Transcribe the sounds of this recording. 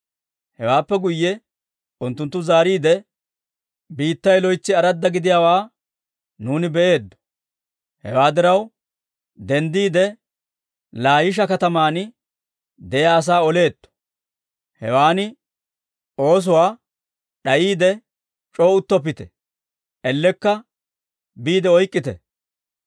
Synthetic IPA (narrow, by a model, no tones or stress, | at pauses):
hɛwaːpːɛɡʊjːɛ | ʊnt̪ːʊnt̪ːʊzaːɾiːd̪ɛ | biːt̪ːɐjlɔjt͡sːɪɐɾɐd̪ːɐɡɪd̪ɪjaːwaː | nuːnɪbɛʔe̞ːd̪ːɔ̥ | hɛ̰waːd̪ɪɾɐw | d̪ɛnd̪iːd̪ɛ | laːjɪʃ̬ɐkɐt̪ɐmaːnɪ | d̪ɛjaːs̬aːɔle̞ːt̪ːɔ̥ | hɛwaːnɪ | o̞ːs̬ʊwaː | ɗɐjiːd̪ɛ | t͡ʃʼo̞ːʊt̪ːɔpːɪt̪ɛ̰ | ʔɛlːɛkːɐ | biːd̪ɛɔjkʼːɪt̪ɛ̰